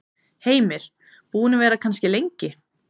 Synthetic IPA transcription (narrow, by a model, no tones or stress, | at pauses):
heːjmɪɾ̥ | puːnɪvɛːɾakʰanscɪlejɲcɪ